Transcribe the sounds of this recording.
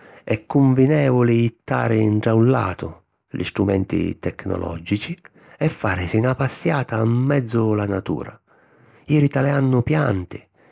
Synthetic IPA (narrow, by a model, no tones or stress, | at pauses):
ɛkːuɱvinɛːvʊlɪːt̪ːa̰ːɾɪɳʈɾaunla̰ːt̪ʊ | lḭst̪ɾumɛ̰nt̪ḭt̪ɛkːnɔ̰lʔɔ̰d͡ʒit͡ʃi | ɛfːaːɾɪsinapasːjaːt̪amːɛd̪zːʊlanat̪ṵːɾa | iːɾit̪alɛanːʊpjant̪ɪ